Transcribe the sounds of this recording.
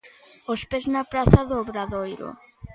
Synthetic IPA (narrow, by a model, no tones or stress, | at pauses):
ospeznɐpɾaθaðoːβɾaðojɾo̰